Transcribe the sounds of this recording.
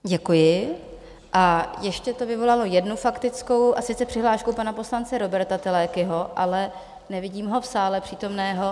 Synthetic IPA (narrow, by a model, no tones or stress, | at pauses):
ɟɛkujɪ | ʔajɛʃcɛt̪o̞vɪvo̞lalo̞jɛdnufakt̪ɪt͡sko̞wʔasɪt͡sɛpr̥ɪɦlaːʃkuwpanapo̞slant͡sɛɾo̞bɛɾt̪at̪ɪlɛːkɪɦo̞ʔalɛ | nɛvɪɟiːmɦo̞fsaːlɛpr̝̥iːt̪o̞mnɛːɦo̞